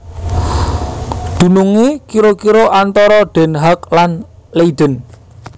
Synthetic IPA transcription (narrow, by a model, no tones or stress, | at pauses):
d̪̥ṳnuŋekiɾokiɾoʔant̪ɔɾɔɖ̪̥ɛ̤nɦak̚lan | leiɖ̪̥ən